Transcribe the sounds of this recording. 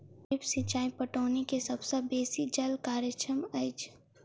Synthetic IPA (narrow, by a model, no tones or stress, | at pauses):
ɪpsit͡ʃaːipəʈoːnikesɐbsɐbeːsid͡ʒɐlkaːɾjət͡ʃʰəməɪt͡ʃ